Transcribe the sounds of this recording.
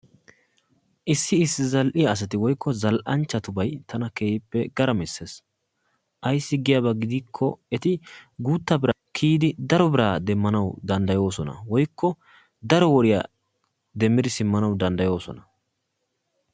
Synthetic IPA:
ʔɪsːɪɪsːɪzɐlʔɪjaːs̬ɐt̪ɪwɔjkːɔzɐlʔɐnt͡ʃːɐt̪ʊbɐjt̪ʰɐnɐkeːjɪpːɛɡ̥ɐɾɐmɪsːes | ʔɐjsːɪɡɪjɐbɐɡɪd̪iːkʰːɔɛt̪ɪɡuːt̪ːɐbɪɾakʰiːd̪ɪd̪ɐɾɔbɪɾaːd̪ɛmːɐnɐwd̪ɐnd̪ɐjo̞ːsɔnɐ̰wɔjkːɔ | d̪ɐɾɔwɔɾɪjɐ | d̪ɛmːɪd̪ɪsɪmːɐnɐwd̪ɐnd̪ɐjo̞ːsɔ̰nɐ

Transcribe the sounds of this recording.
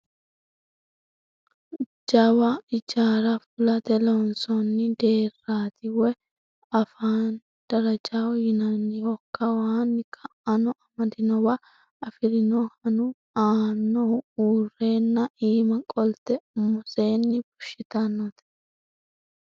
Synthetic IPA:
d͡ʒɐwɐɪd͡ʒaːɾɐfʊlɐt̪ɛlɔnsɔnːɪd̪e̞ːrːaːt̪ɪwɛ | ɐfaːn | d̪̥ɐɾɐd͡ʒawjɪnɐnːɪwɔkːɐwaːnːɪkʰɐʔɐnɔʔɐmɐd̪ɪnɔwɐ | ɐfɪɾɪnɔhɐnʊ | aːnːɔuːre̞ːnːɐʔiːmɐkʼɔlt̪ɛmʊse̞ːnːɪbʊ̥ʃːɪt̪ɐnːɔt̪ɛ̥

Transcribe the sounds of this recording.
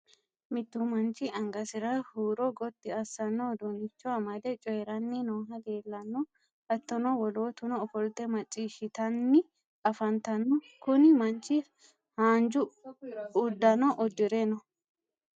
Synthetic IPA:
mɪt̪ːʊmɐnt͡ʃɪʔɐŋɡɐsɪɾɐhuːɾɔɡɔt̪ːɪɐsːɐnːɔd̪unɪt͡ʃːɔɐmɐd̪ɛt͡ʃʼɔjɛɾɐnːɪnoːɦɐd̪e̞ːlːɐnːɔ | ɐt̪ːɔnɔwɔloːt̪ʊnɔːfɔlt̪ːɛmɐt͡ʃʼːiːʃɪt̪ɐnːɪ | ɐfɐnt̪ɐnːɔ | kʊnɪmɐnt͡ʃːɪ | haːnd͡ʒʊ | ʊd̪ːɐnɔʔɔd̪ːɪɾɛnɔ

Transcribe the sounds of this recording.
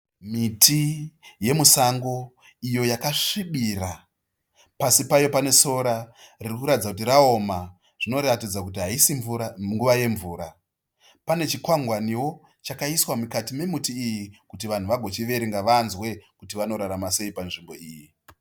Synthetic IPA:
mitʰije̞musaŋɡo̞ | ijo̞jakaʂiɓira | pasipajo̞pane̞so̞ɾaririkuɾatid͡zakut̬iɾao̞ma | ʐ̥ino̞ɾatid͡zakut̬iɦaisiɱuaŋɡuʋaje̞ɱvuːɾa | pane̞t͡ʃikwaŋɡwaniwo̞ | t͡ʃakaiswamukatime̞mutiːjikut̬iʋan̤uʋaɡʱo̞t͡ʃiʋe̞ɾeŋɡaʋanzwe̞kutiʋano̞ɾaɾamase̞ipanʐimbo̞iːji

